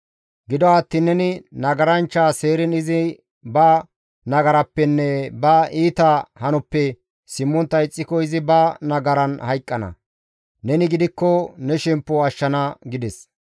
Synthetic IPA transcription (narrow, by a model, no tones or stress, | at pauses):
ɡɪd̪ɔat̪ːiːnːɛnɪnɐɡɐɾɐnt͡ʃːaːse̞ːɾɪnɪzɪ | bɐ | nɐɡɐɾɐpːɛnːɛbɐʔiːt̪ɐhɐnʊpːɛ | sɪmːɔnt̪ːɐɪt͡sʼːɪkːɔɪzɪbɐnɐɡɐɾɐnhɐjkʼːɐnɐ̰ | nɛnɪɡɪd̪ɪkːɔnɛʃɛmpːɔɐʃːɐnɐɡɪd̪ɛs